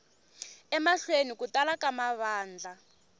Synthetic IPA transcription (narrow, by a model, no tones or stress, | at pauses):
ɛmaɬwenikutalakamaβaːnd͡ɮa